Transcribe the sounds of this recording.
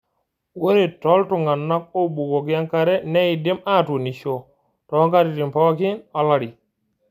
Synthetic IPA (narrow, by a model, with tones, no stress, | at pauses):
wo˦ɾe˨tɔ˦ltu˨ŋɡa˨nːa˦k̚o˦bu˨ɡo˨k̬ja˦ŋka˨ɾe˦ne˦i˨de˦ma˦˨tu˨ni˨ʃo˨ | tɔ˨˦ŋka˦ɾi˨di˨mpɔ˦ki˦nɔ˨˦la˨ɾi˨